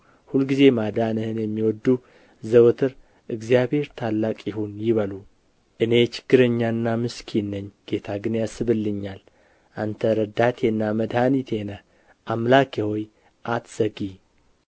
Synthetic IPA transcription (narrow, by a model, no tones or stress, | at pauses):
hulɡize̞mad̪anɨhɨnjɛmːiwɔd̪ːu | zəwt̪ʰɨɾ | ʔɨɡzijabhe̞ɾt̪ʰalːakʼjɪhunjɪβəlu | ʔɨne̞t͡ʃɪ̥ɡ̥ːɨɾəɲːaɨnːamɨskʰinːəɲːɡ̥e̞t̪ʰaɡɨnjasɨβɨlːɨɲːal | ʔant̪ʰəɾəd̪at̪ʰenːaməd̪hanit̪ʰe̞nəh | ʔamlakʰehoj | ʔat̪səɡi